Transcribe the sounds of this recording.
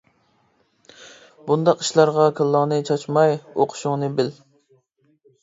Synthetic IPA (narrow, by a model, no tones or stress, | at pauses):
bund̪ɑqi̥ʃlˠɑɾʁɑkʰɨlˠːɑnɨt͡ʃʰɑt͡ʃmɑjoqʰʊ̥ʃʊŋnɨbɪl